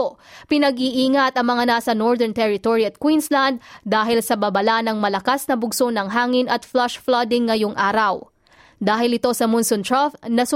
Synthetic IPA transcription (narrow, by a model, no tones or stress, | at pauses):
opɪnɐɡiʔiːŋɐt̪ɐŋmɐŋanasɐnoɹd̪ɛnt̪ɛɹɪt̪oɹiɐt̪̚kwinsland̪̚ːaːɦɪlsɐbɐbɐlanɐŋmɐlɐkasnɐbʊɡsonɐŋɦaːŋɪnɐt̪flaʃflad̪ɪŋːɐjoŋʔaːɾɐw | d̪aːɦɪlɪt̪o̞sɐmʊnsont̪ɹafnɐsʊ